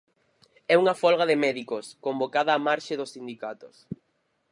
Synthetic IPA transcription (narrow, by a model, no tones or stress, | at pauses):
ɛuŋɐfɔlɣɐðɪmɛðikoskombokaðɐːmaɾʃɪðʊsːind̪ikat̪ʊs